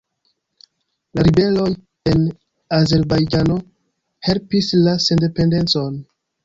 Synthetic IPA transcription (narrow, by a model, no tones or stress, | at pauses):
laɾibe̞lo̞j | en | aze̞ɾbajd͡ʒano̞ | he̞lpislasende̞pe̞nde̞nt͡so̞n